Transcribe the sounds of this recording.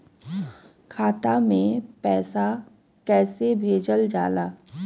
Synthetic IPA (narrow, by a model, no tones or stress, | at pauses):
kʰaːt̪amẽpɛːsa | kɛːsebʱeːd͡ʒəld͡ʒa̰ːlaː